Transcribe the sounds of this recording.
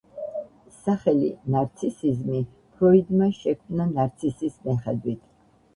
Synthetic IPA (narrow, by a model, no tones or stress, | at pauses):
saχɛlinaɾt̪sʰisizmi | pʰɾɔid̪maʃɛkʰmnanaɾt̪sʰisismɛχɛd̪wit̪ʰ